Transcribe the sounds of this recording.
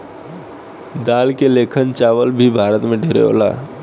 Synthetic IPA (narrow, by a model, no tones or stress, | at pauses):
d̪aːlkeleːkʰənt͡ʃaːʋəlbʱibʱaːɾət̪mẽɖʱeːɾḛɦo̰ːla̰ː